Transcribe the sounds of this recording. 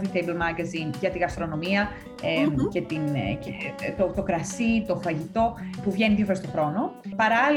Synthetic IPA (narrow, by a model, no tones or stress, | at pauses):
ðit̪ejbolmɐɾɡɐzinʝɐt̪iɣɐst̪ɾo̞no̞miɐ | ece̞t̪incet̪ot̪o̞kɾɐsit̪o̞fɐʝit̪o̞puvʝe̞niðjofoɾest̪o̞xɾo̞no̞pɐɾɐ